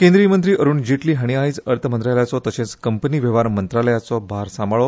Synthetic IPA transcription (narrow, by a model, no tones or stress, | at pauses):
kẽnd̪ɾiːmənt̪ɾiːəɾuːnd͡ʑiʈliːɦaɽ̃iaɦiːt͡səɾt̪ʰəmənt̪ɾaljat͡sɔt̪əɕẽt͡skəmpniːʋeʋaɾmənt̪ɾaləjat͡sɔbaɾsamaɭɔ